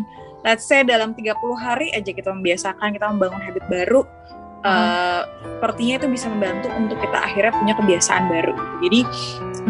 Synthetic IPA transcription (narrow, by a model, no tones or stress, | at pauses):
lat̪sajdalamt̪iɡapuluɦaɾiʔad͡ʒakit̪aməmbiasakankit̪aməmbaŋʊnɦabɪt̪̚baɾu | ʔə | əpərt̪iɲait̪ubisaməmbant̪uʔunt̪ʊkːit̪a̰ʔa̰xirɲapuɲakəbiasa̰ʔa̰nbaɾṵɡit̪ud͡ʒadi